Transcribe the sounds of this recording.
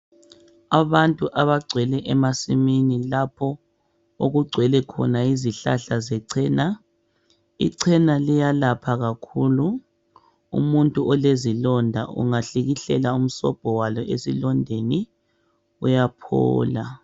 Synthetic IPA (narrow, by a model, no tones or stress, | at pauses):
aβantʼuʔaβaɡ͡ǀʱwɛlɛʔɛmasiminilapʰɔ | oɣuɡ͡ǀʱwɛlɛkʰɔ̰naiziɬa̰ɬazɛǀʰɛːna | ḭǀʰɛnalijalapʰaɣakʰulu | ṵmuntʼuʔɔlezilɔndʱa̰ṵŋaɬiɣiɬɛlaum̩sɔ̰b̥ʱɔwalɔʔesilɔndʱeni | ujapʰɔ̰ːla